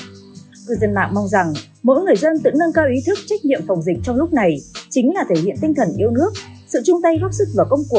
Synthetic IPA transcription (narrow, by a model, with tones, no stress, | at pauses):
kɨ˧˩jzə˧˩nma̰ː˧˨ŋma˧wŋ͡mza˨˩ŋ | mo̰˧˥jŋɨ˨˩əjzə˧nt̪ɨ̰˧˥ŋnə˧nkaː˧wʔi˨˦t̪ʰɨ˦˥k̚t͡ɕa˦˥k̚ɲḭ˧˨əmfa˨˩wŋ͡mzï˨˩k̟̚t͡ɕɔ˧wŋ͡mlʊ˦˥k͡p̚na˨˩jt͡ɕï˨˦ŋ̟laː˨˩t̪ʰe˧˩hḭ˧˨ənt̪ï˧ŋ̟t̪ʰə˨˩nʔi˧əwnɨ˦˥ək̚sɨ̰˧˨t͡ɕʊ˧ŋ͡mt̪ə˧jɣa˦˥p̚sɨ˦˥k̚vaː˨˩kə˧wŋ͡mku˨˩ək̚